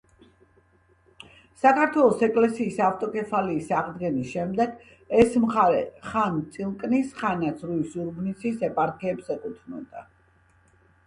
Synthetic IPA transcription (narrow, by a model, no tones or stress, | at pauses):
sakʰaɾt̪ʰwɛlˠɔsɛkʼlɛsiːsaft̪ʼɔkʼɛfʰaliːsaʁd̪ɡɛnisʃɛmd̪ɛɡ | ɛsmχaɾɛ̰χant̪sʼilˠkʼnisχanat̪sʰɾuisuɾbnit̪sʰisɛpʼaɾkʰɛːbsɛkʼut̪ʰnɔ̰d̪a